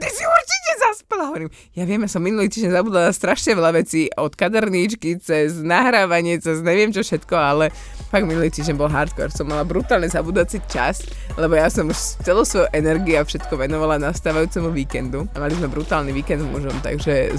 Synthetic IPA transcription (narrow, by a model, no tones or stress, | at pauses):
t̪isiuɾt͡ʃicɛzaspɛlaɦɔʋɔɾiːm | jaʋɪɛmjasɔmːinuliːt̪iːʒɟɛɲzabuːd̪alast̪ɾaʃɲɛʋɛlaʋɛt͡siːɔt̪kad̪ɛɾɲit͡ʃkit͡sɛznaɦɾaːʋaɲɪɛt͡sɛzɲɛʋɪɛmt͡ʃɔfʃɛt̪kɔalɛ | faɡminuliːt̪iːʒɟɛɲbɔlɦaɾt̪kɔ̰ɾsɔmːalabɾut̪aːlɲɛzabuːd̪at͡sit͡ʃa̰s | lɛbɔjasɔmuʃt͡sɛlɔʊsʋɔjuʔɛnɛɾɡiafʃɛt̪kɔʋɛnɔʋalanast̪aːʋajuːt͡sɛmuʋiːkɛnd̪uamalizmɛbɾut̪aːlniʋiːkɛnd̪mṵʒɔmt̪a̰ɡʒɛ